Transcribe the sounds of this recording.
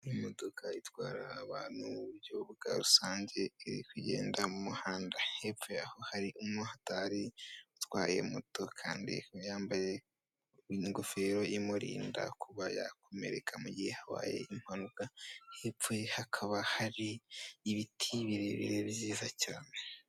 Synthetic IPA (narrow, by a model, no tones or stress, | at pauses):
imodokʰaitwaːɾaːβaːn̥huuβuɾɟoβuɡ̥a̰ɾusaːɲɟe̞iɾḭkuje̞̰ːndamumuhaːndahepfeaho̞haɾiʔumŋohataɾiutwaːje̞̰motokʰa̰ːndḭjaːmbaje | ɲɡofeɾo̞ʔimuɾḭːnda̰kuβaja̰kʰo̞me̞̰ɾekʰamuɟihehaβa̰ːje̞̰ʔim̥hanukahep͡fehakʰaβahaɾiːβitʰiβiɾeβḭɾeβziːzacaːne